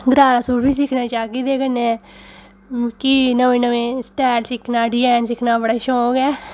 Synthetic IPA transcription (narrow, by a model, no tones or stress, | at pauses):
d̪ɾaːɾaːsuːbiːsɪkʰnaːt͡ʃaːkiːd̪eːkənẽ | kinəʋẽːnəʋẽːsʈɛːlsɪkʰnaːɖɪjɛːnsɪkʰnaːbəɽaːʃõːɡɛː